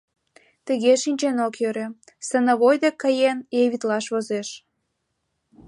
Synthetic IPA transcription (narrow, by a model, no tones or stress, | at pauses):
t̪əɣeʃinʲt͡ɕenokjøɾĕ | sənəβojd̪ekːəjenjeβit̪lɑʃβozeʃ